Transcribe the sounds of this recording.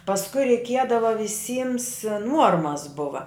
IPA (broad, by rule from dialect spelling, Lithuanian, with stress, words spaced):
pɐsˈkʊɪ rʲɛɪˈkʲiɛdɐʋɐ ʋʲɪˈsʲiːms ˈnuɔrmɐs ˈbʊʋɐ